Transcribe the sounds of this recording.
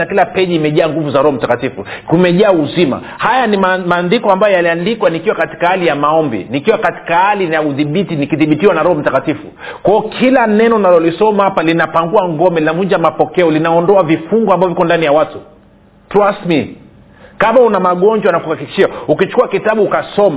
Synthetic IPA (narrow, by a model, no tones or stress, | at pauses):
akilapɛʄiːmɛʄaːŋɡuvuzaɾɔhɔm̩takatifukumɛʄaːuzima̰ | hajanimmaːndikɔambajɔjaliandikwanikiwakati̥kahalijamaɔmbḭnikiwakati̥kahalijauðiɓitinikiðiɓitiwanaɾɔhɔm̩takatifṵ | kwaɔkʰilanɛnɔnalɔlisɔmahapalinapaŋɡuaŋɡɔmɛlinavuɲd͡ʒamapɔkɛɔlinaɔndɔavifuŋɡwambavɔvikɔndanijawatu | tɾasmi | kamaunamaɠɔɲd͡ʒwanakuhakiki̥ʃiaukit͡ʃu̥kuwakitaɓuːkasɔma